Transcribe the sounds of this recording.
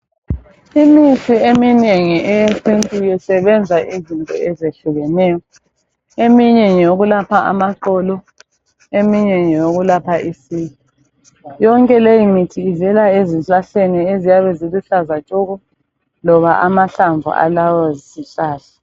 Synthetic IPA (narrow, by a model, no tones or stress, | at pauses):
imitʰiemineŋiʔɛjesintʼujɛsɛβɛnd͡zʱaʔizintʼɔ̰ɛzeɬuɣɛnɛːjɔ | emiɲɛɲoɣulapʰaa̰maǃɔlɔ | emiɲɛɲɛjoɣulapʰaʔisiːɣɔ | jɔŋkʼɛlejimitʰiːvɛlaeziɬaɬeniezijaβɛziluɬazat͡ʃʼɔɣɔ | lɔβaʔamaɬaɱvʱṵa̰lawɔzisiɬaːza